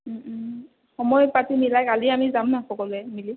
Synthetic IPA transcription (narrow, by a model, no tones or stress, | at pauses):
xɔmɔjpatimilajkaliamizamnaxɔkɔlɛmili